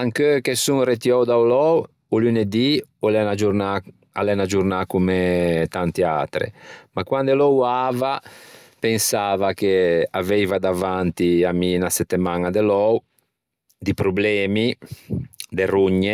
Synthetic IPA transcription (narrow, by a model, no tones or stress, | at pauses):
aŋkøkesuŋret̪jɔwd̪awlɔw | uluned̪iolɛnad͡ʒuɾna | a̰lɛnad͡ʒuɾnakumet̪ant̪ia̰ːt̪ɾḛmakwand̪elɔwava | pensaːvakeavɛvad̪avant̪iaminasɛt̪ːemanad̪elɔw | d̪ipɾublɛːmi | d̪eruɲːe